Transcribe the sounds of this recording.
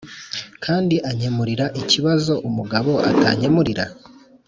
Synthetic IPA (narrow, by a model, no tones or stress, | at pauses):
kʰaːndiʔaɲe̞muɾiɾaʔiciβazo̞ʔumuɡaβo̞ʔa̰ta̰ɲe̞muɾiɾa̰